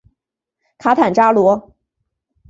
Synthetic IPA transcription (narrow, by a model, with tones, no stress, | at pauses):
kʰa˧˥t̪ʰa˨˩nʈ͡ʂa˥lwɔ˧˥